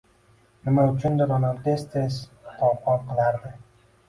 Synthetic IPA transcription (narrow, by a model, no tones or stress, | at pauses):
nɪmaʊt͡ʃʰʊnd̪ɪɾɒnant̪est̪esqʰɒqɒnqʰɨlaɾd̪ɪ